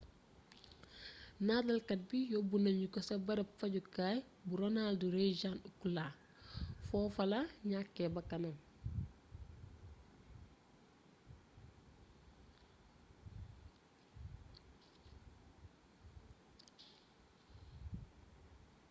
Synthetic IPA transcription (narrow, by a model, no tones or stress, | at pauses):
naːdɐlkɐt̚bijɔbunɐɲukɔsɐbɐɾɐpfɐɟukaːj | buɾɔnalduɾed͡ʒanukulaː | fɔːfɐlaɲakːɛbɐkːɐnɐm